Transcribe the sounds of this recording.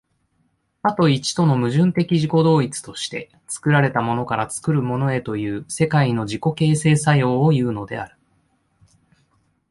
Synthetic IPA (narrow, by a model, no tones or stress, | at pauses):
at̪o̞it͡ɕi̥t̪o̞no̞mɯ̟ʑɨ̃nt̪e̞kʲiʑiko̞d̪o̞ːit͡sɨ̥t̪o̞ɕi̥t̪e̞̰ | t͡sɨ̥kɯ̟ɾaɾe̞t̪amo̞no̞kaɾat͡sɨ̥kɯ̟ɾɯ̟mo̞no̞e̞t̪o̞jɯ̟ːse̞kaino̞ʑiko̞ke̞ːse̞ːsajo̞ːjɯ̟ːno̞d̪e̞̰a̰ɾɯ̟